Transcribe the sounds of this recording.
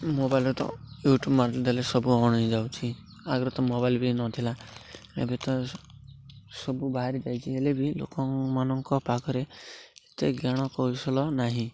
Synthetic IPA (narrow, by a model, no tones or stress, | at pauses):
mobajlet̪ɔ̰juʈubmaɾd͡ʒd̪alesɔbuɔɽ̃id͡ʒawt͡ʃʰi | aɡɾɔt̪ɔmobajlbinɔt̪ʰila | ḛbet̪ɔ | sɔbubaɦaɾid͡ʒajt͡ʃʰielebilo̰kɔŋmanɔŋkɔpakɔɾeet̪eɡjaɽ̃ɔkɔisɔlɔnaɦĩ